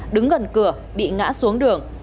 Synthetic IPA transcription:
ɗɨ˨˦ŋɣə˨˩nkɨ˧˩ə | ɓḭ˧˨ŋa̰ː˧˥su˨˦əŋɗɨ˨˩əŋ

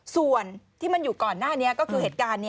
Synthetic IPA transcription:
su˨˩ənt̪ʰiː˥˩ma˧njuː˨˩kɔː˨˩nːaː˥˩ni˦˥ɐkɔː˥˩kʰɯː˧ɦeː˨˩t̪̚kaː˧nːi˦˥

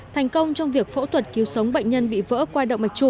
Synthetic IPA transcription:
t̪ʰŋ̟kə˧wŋ͡mt͡ɕɔ˧wŋ͡mvi˨˩ək̚fo̰˧˥t̪ʰwə˨˩t̚ki˨˦wsə˨˦wŋ͡mɓa̰˧˨jŋ̟ɲə˧nɓḭ˧˨və̰ː˧˥kwaː˧jɗə̰˧˨wŋ͡mma˨˩k̟̚t͡ɕu˧˩

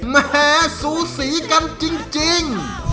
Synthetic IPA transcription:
mɛɛː˧˩suː˨˦siː˨˩˦ka˧nt͡ɕi˧ŋt͡ɕi˧ŋ

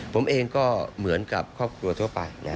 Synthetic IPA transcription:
pʰo˩˦mʔeː˧ŋkɔː˥˩mɯ˩˦ənka˨˩p̚kʰːɔː˥˩p̚kʰɾu˧ɐt̪ʰu˥˩ɐpa˧jna˦˥

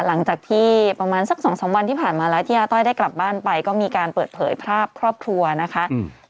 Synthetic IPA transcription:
la˩˦ŋt͡ɕaː˨˩k̚t̪ʰiː˥˩pɾa˧maː˧nsa˨˩k̚sɔː˩˦ŋsɔː˩˦ŋwa˧nt̪ʰiː˥˩pʰaː˨˩nmaː˧lɛː˦˥wt̪ʰiː˥ʔaː˥˩t̪ɔ˥˩jdaː˥˩jkla˨˩p̚baː˥˩npa˧jkɔː˥˩miː˧kaː˧npɤː˨˩t̪̚pʰɤː˩˦jpʰɾaː˥˩p̚kʰɾɔː˥˩p̚kʰɾu˧ɐna˦˥kʰa˦˥ʔ

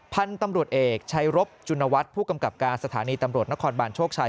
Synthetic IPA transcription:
pʰa˧nt̪a˧mɾu˨˩ət̪̚ʔeː˨˩k̚t͡ɕʰa˦˥jɾo˦˥p̚t͡ɕu˧nːa˧wa˦˥t̪̚pʰuː˥˩ka˧mka˨˩p̚kaː˧nsa˧t̪ʰaː˩˦niː˧t̪a˧mɾu˨˩ət̪̚na˦˥kʰɔː˧nbaː˧nt͡ɕʰoː˥˩k̚t͡ɕʰaː˧

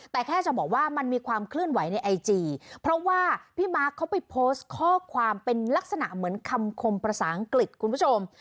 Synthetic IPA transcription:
t̪ɛː˨˩kʰɛː˥˩t͡ɕa˨˩bɔː˨˩k̚waː˥˩ma˧nmiː˧kʰwaː˧mkʰlɯ˥˩ənwa˩˦jna˧jʔa˧jt͡ɕiː˧pʰɾɔ˦˥waː˥˩pʰiː˥˩maː˦˥kʰːa˦˥wpa˧jpʰoː˦˥st̪̚kʰɔː˥˩kʰwaː˧mpe˧nla˦˥k̚sa˧na̰˨˩ʔmɯ˩˦ənkʰa˧mkʰo˧mpɾa˧saː˩˦ʔa˧ŋkli˨˩t̪̚kʰu˧npʰu˥˩t͡ɕʰo˧m

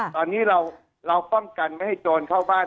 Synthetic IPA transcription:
t̪ɔː˧nːiː˦˥ɾa˧w | ɾa˧wpɔ˥˩ŋka˧nma˥˩jha˥˩jt͡ɕoː˧nkʰaː˥˩wbaː˥˩

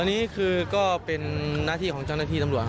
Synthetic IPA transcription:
nːiː˦˥kʰɯː˧kɔː˥˩pe˧nːaː˥˩t̪ʰiː˥˩kɔː˩˦ŋt͡ɕa˥˩wnaː˥˩t̪ʰːt̪a˧mɾu˨˩ə

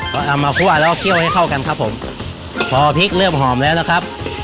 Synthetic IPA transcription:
kʰɔ˧˩ʔa˨˧˩wmːaː˧kʰu˥˩ɐlɛː˦˥kk̪ʰi˥˩əwha˥˩jkʰa˥˩wka˧nkʰa˦˥pʰːo˩˦m | pʰɔː˨˧pʰi˦˥k̚lɤː˥˩mɦɔː˨˩˦mlɛː˦˥wna˦˥kʰɾa˦˥p̚

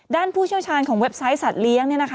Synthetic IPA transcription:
daː˥˩npʰuː˥˩t͡ɕʰi˥˩wt͡ɕʰaː˧nkʰɔː˩˦ŋwe˦˥p̚sa˦˥jsa˨˩t̪̚li˦˥əŋni˥˩ɐna˦˥kʰ

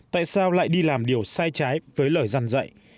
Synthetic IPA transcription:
t̪a̰ː˧˨jsaː˧wla̰ː˧˨jɗi˧laː˨˩mɗi˨˩əwsaː˧jt͡ɕaː˨˦jvəː˨˦jləː˧˩jza˧nzə̰˧˨j

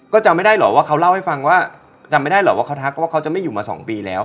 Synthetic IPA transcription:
kɔː˥˩t͡ɕa˧ma˥˩jdaː˥˩jlɔ̰ː˨˦waː˥˩kʰa˦˥wla˥˩wha˥˩jfa˧ŋwaː˥˩ | t͡ɕa˧mːa˥˩jda˥˩lɔː˨˦˩waː˥˩kʰt̪ʰaː˦˥k̚waː˥˩ka˦˥wt͡ɕa˨˩ma˥˩juː˨˩maː˧sɔ̰ː˩˦ŋpiː˧lɛ̰ː˦˥w

